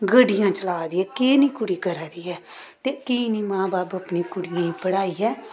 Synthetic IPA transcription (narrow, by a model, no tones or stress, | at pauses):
ɡəɖɪjãːt͡ʃəlaːd̪iːɦɛːkeːnĩːkʊɽiːkəɾaːd̪iːɛːt̪eːkiːnĩːmãːbaːpəpnĩːkʊɽɪjãːĩːpəɽaːiːɦɛː